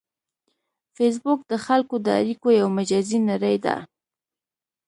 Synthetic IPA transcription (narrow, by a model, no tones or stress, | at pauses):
fes̬bʊk̚d̪əxalkod̪əa̰ɾikojawmad͡ʒazinaɾəjd̪a̰